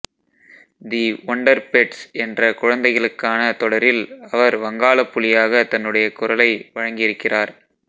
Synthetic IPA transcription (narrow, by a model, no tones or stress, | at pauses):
d̪iɔɳɖɐɾpɛʈsɛndrɐkʊɻɐnd̪ɐɪɣɐɭɯkːaːnɐt̪ɔɽɐɾɪlɐʋɐɾʋɐŋɡaːɭɐpːʊɭɪjaːɣɐt̪ɐnːɯɽɐjɐkʊrɐlɐɪʋɐɻɐŋɡɪjɪɾɯkːɪraːɾ